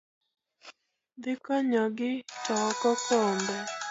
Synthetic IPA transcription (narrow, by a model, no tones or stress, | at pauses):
d̪ɪkɔɲɔɡɪtɔkɔkɔmbɔ